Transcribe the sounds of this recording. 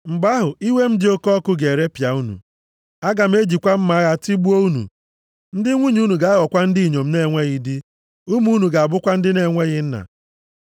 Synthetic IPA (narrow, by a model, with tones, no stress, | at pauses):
m̩˨ba˦ɦʊ˨i˦we˦m̩˦dɪ˦o˦kɔ˦kʊ˦ɡe˨ɾe˦pja˨u˦nṵ˨ | a˦ɡa˨m̩˦e˦d͡ʒi˨kʷa˦m̩˦ma˦ɣa˦˨ti˦bu˦o˦u˦nṵ˨ | n̩˦dɪ˦ŋʷu˦ɲu˦nu˨ɡa˨a˦ɣɔ˨kʷa˦n̩˦di˦i˨ɲo˨m̩˦ne˦˨ŋʷe˦ɣɪ˦dɪ˦ | u˦mu˦nu˨ɡa˨a˨bʊ˦kʷa˦n̩˦dɪ˦ne˨ŋʷe˦ɣɪ˦n̩˦na̰˨